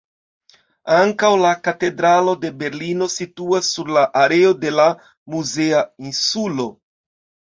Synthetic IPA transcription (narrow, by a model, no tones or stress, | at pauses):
aŋkawlakate̞dɾalo̞de̞be̞ɾlino̞situasːuɾlaʔaɾe̞o̞de̞la | muze̞ainsulo̞